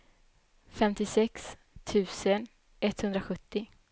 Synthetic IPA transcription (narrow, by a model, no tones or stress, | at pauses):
fɛmt̪ɪsɛks | t̪ʰʉ̟ːsən | ʔɛt̪hɵnd̪ɾaɧɵt̪ːɪ